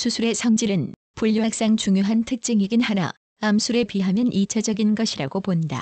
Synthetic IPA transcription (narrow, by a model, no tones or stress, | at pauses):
sʰusʰuɾe̞sʰʌŋd͡ʑiɾɯn | puʎːwak̚s͈aŋt͡ɕuŋjoɦantʰɯk̚t͡ɕ͈iŋiɡɯnhana̰ | amsʰuɾe̞pɥiɦamjʌnʔit͡ɕʰʌd͡ʑʌɡinɡʌɕʰiɾaɡoponda̰